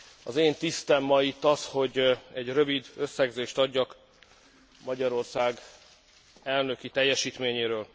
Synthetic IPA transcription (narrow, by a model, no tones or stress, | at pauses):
ɒzeːnt̪ist̪ɛmːɒit̪ːɒsho̞ɟɛɟrø̞vid̪ø̞sːɛɡzeːʃt̪ɒɟːɒk | mɒɟɒɾo̞rsaːɡ | ɛlnø̞kit̪ɛjːɛʃiːt̪meːɲeːɾøːl